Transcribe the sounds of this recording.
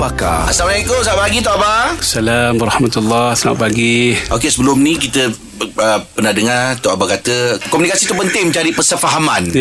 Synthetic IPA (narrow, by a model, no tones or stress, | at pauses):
baka̰asamalaikosaaʔpaɡit̪ɔʔabasalamaɾɑhmat̪alːahsana̰ʔpaɡiʔokesəbəlʊmnĩk̬it̪ə | əpənahdəŋart̪ɔʔabakat̪əkomunikasit̪upənt̪ɪŋməɲd͡ʒadipəsəfaɦamãn